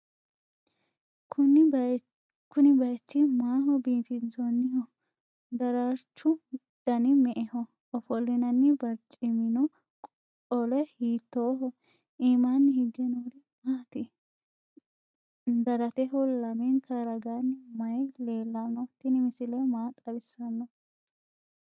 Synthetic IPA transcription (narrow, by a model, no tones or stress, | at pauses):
ʊn | kʊnɪbɐjt͡ʃːɪmaːɦɔbiːfɪnsɔnːɪhɔ | d̪ɐɾaɾt͡ʃːʊ | d̪̥ɐnɪmɛʔɛhɔ | ɔfɔlːɪnɐnːɪbɐɾt͡ʃʼɪmɪnɔ | ɔlɛhiːt̪ːoːɦɔ | ʔiːmanːɪhɪɡːɛnoɾɪ | maːt̪ɪ | d̪ɐɾɐt̪ɛɦɔlɐmɛnt̪ʰɐɾɐɡanːɪmɐjle̞ːlːɐnːɔt̪ːɪnɪmɪsɪlɛmaːt̪ʼɐbɪsːɐnːɔ